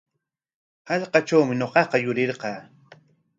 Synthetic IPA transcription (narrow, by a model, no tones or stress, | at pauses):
hɑʎqɑʈ͡ʂawmɪɲoqɑqɑjʊɾɪɾqɑː